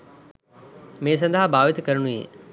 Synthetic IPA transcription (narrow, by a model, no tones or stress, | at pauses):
mẽːs̬ɐ̃nd̪ʱaɦbaːʋɪt̪kɐɾñuḛː